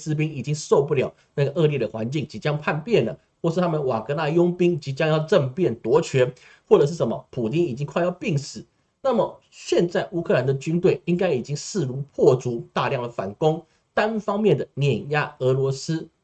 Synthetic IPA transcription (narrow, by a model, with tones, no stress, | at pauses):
sɹ̩˥p̬i˥ŋi˨˩t͡ɕi˥ŋso˥˧ʊpu˥˩ljɑ˨˩ʊna˥˩ɡə˩ʔɤ˥˧ljɛ˥˩d̪ə˩xwa̰˧˥nt͡ɕi˥˩ŋt͡ɕi˧˥t͡ɕjɑ˥ŋpʰa˥˧npjɛ˥˩nlə̰˩ | xwɔ˥˧ʂ̬̩ʰ˥˩a˥mə˨nwa˨˩kə˧˥na˥˧jʊ˥ŋpi˥ŋt͡ɕi˧˥t͡ɕjɑ˥ŋjɑ˥˧ʊʈ͡ʂə˥˧ŋpjɛ˥˩nt̪wɔ˧˥t͡ɕʰɥɛ˧˥n | xwɔ˥˩ʈ͡ʂɤ˨˩ʂ̬̩˥˩ʂə˧˦mə̰˧pʰu˨˩t̪i˥ni˨˩t͡ɕi˥ŋkʰwa˥˧ɪjɑ˥˧ʊpi˥˩ŋsɹ̩˨˩˦ | na˥˩mə˨˩ | ɕjɛ˥˧nt͡sa˥˩ɪʔu˥kʰɤ˥˧la˧˦nd̪ə˨t͡ɕy˥nt̪we˥˩ɪi˥ŋka˥ɪi˨˩t͡ɕi˦˥ŋʂɹ̩˥˩ɻu˧˥pʰwɔ˥˩t͡su˧˥t̪a˥˧ljɑ˥˩ŋlə˩fa̰˨˩nkʊ˥ŋ | t̪a˦˥nfɑ˥ŋmjɛ˥˩nd̪ə˩njɛ˨˩nja˥˩ɤ˧˥lwɔ˧˥s̩˥